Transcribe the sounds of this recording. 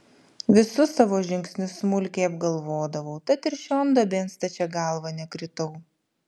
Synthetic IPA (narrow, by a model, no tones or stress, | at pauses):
ʋʲɪsʊsɑːʋoːʒʲɪŋʲksʲnʲʊssmʊlʲkʲeːɐbɡɐlˠʋoːd̪ɐʋɐʊt̪ɐt̪ɪɾʃʲoːnd̪ɐbʲeːnst̪ɐt͡ʃʲɛɡɑˑlˠʋɐnʲɛkɾʲɪt̪ɔʊ